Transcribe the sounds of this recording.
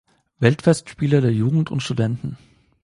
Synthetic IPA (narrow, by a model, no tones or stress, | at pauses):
vɛltfɛstʃpiːlɐdeːɐjuːɡŋ̩tʊ̰ntʃtudɛntn̩